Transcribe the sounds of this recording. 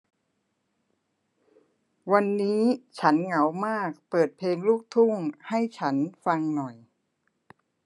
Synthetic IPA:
wa˧nːiː˦˥t͡ɕʰa˦˥nŋa˩˦wmaː˥˩k̚pɤː˨˩t̪̚pʰleː˧ŋluː˥˩k̚t̪ʰu˥˩ŋha˥˩jt͡ɕʰa˦˥nfa˧ŋnɔ˨˩j

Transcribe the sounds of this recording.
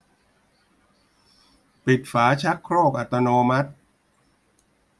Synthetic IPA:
pi˨˩t̪̚faː˩˦t͡ɕʰa˦˥kʰɾoː˥˩k̚ʔa˨˩t̪ːa˧noː˧ma˦˥t̪̚

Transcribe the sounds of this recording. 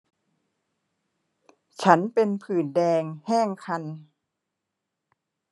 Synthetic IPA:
t͡ɕʰa˦˥npe˧npʰɯː˨˩ndɛː˧ŋhɛː˥˩ŋkʰa˧n

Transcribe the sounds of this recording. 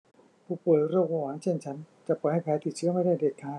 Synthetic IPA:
pʰuː˧˩poː˨˩t̪̚ɾɯː˥˩ək̚waː˧˩waː˨˦ŋt͡ɕʰe˥˩nt͡ɕʰa˦˥nt͡ɕa˨˩pʰɔː˨˩jha˥˩pʰɛː˨˦t̪ʰi˨˩t̪̚t͡ɕʰɯ˦˥ɐ˦ma˥˩jdaː˥˩jdeː˨˩kʰːaː˧˩

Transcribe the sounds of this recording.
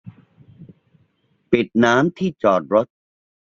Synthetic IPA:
pi˨˩t̪̚naː˦˥mt̪ʰiː˥˩t͡ɕɔː˨˩t̪̚ɾo˦˥t̪̚

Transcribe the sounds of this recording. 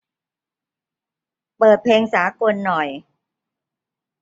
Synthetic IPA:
pɤː˨˩t̪̚pʰeː˧ŋsaː˩˦ko˧nːɔ˨˩j

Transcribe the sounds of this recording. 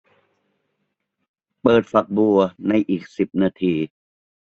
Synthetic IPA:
pɤː˨˩t̪̚fa˨˩k̚bu˨˩ɐna˧˥˩jʔiː˨˩k̚si˨˩p̚naː˧t̪ʰiː˧

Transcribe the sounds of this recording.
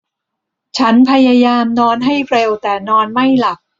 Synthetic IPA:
t͡ɕʰa˦˥npʰa˧jaː˧jaː˧mnɔː˧nɦa˥˩jʰɾe˧wt̪ɛː˨˩nɔː˧nma˥˩jla˨˩k̚

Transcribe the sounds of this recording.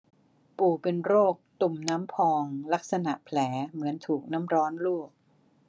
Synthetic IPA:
puː˨˩pe˧nɾoː˥˩k̚t̪u˨˩mnaː˦˥mpʰɔː˧ŋla˦˥k̚sa˧na̰˨˩ʔpʰlɛː˩˦mɯ˩˦ənt̪ʰuː˨˩k̚naː˦˥mɾɔː˦˥nluː˥˩k̚

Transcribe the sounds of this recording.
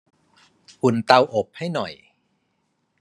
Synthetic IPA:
ʔu˨˩nt̪a˧wʔo˨˩p̚ha˥˩jnɔ˨˩j

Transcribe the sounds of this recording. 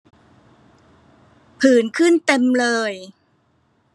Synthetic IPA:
pʰɯː˩nkʰɯ˥˩nt̪e˧mlɤː˧j

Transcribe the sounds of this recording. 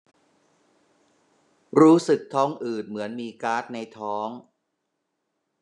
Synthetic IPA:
ɾuː˦˥sɯ˨˩k̚t̪ʰɔː˦˥ŋʔɯː˨˩t̪̚mɯ˩˦ənmiː˧kaː˦˥t̪̚na˧jt̪ʰɔː˦˥ŋ

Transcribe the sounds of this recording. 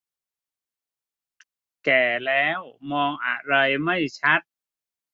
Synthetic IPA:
kɛː˨˩lɛː˦˥wmɔː˧ŋʔa˨˧˩ɾa˧jma˥˩jt͡ɕʰa˦˥t̪̚

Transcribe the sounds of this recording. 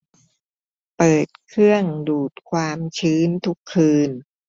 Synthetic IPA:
pɤː˨˩t̪̚kʰɾɯ˥˩əŋduː˨˩t̪̚kʰwaː˧mt͡ɕʰɯː˦˥nt̪ʰu˦˥kʰːɯː˧n

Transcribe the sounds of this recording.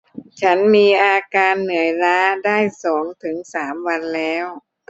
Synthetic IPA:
t͡ɕʰa˦˥nmiː˧ʔaː˧kaː˧nːɯ˨˩˦əjɾaː˦˥daː˥˩jsɔː˩˦ŋt̪ʰɯ˩˦ŋsaː˩˦mwa˧nlɛː˦˥w

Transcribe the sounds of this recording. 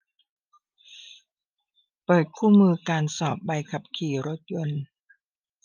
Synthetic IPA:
pɤː˨˩t̪̚kʰuː˥˩mɯː˧kaː˧nsɔː˨˩p̚ba˧jkʰa˨˩p̚kʰiː˨˩ɾo˦˥t̪̚jo˧n

